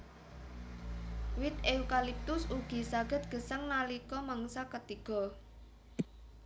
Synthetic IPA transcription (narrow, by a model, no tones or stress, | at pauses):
wɪt̪eukalip̚t̪ʊsuɡ̥i̤saɡ̥ə̤t̪̚ɡ̥ə̤səŋnalikɔmaŋsakət̪iɡ̥ɔ̤